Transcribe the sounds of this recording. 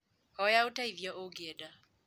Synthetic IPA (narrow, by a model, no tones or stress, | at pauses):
hɔjaʊtʼaivjaʔoɡɛda